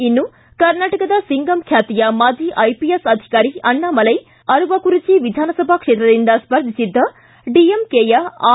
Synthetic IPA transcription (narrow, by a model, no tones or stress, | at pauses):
inːu | kɐɾnaːʈɐkɐd̪ɐsiŋɡɐmkʰjaːt̪ijɐmaːd͡ʒiːʔɐjpijesɐd̪ʱi̥kaːɾiɐɳːamɐlɐj | ɐɾuʋɐkuɾit͡ʃiʋid̪ʱaːnɐsɐbʱɐkʂeːt̪ɾɐd̪ind̪ɐspɐɾd̪ʱisid̪ːɐ | ɖiemkeːjɐː